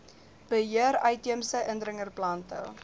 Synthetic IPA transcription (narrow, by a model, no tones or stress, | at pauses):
b̥əɦiəɾɐjtiəmsəʔəndrəŋərplɐntə̰l